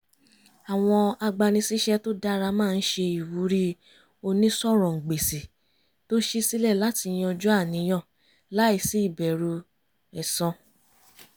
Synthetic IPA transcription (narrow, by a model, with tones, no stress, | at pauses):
a˨w̃ɔ̃˧a˧ɡ͡ba˧nĩ˧si˦ʃɛ˦to˦da˦ɾa˧mãː˦˧n̩˦ʃe˧i˨wu˨˦ɾi˦ | o˧nĩ˦sɔ˦˨ɾ̃ɔ̃˨ŋ̩˨ɡ͡be˨si˨ | to˦ʃi˦si˦lɛ˦˨la˨˦ti˧˦j̃ɔ̃˧d͡ʒu˦a˦˨nĩ˨˦j̃ɔ̃˦˨ | la˨˦i˦˧˨si˨˦i˦˨bɛ˨ɾu˧ | ɛ˨sɔ̃˧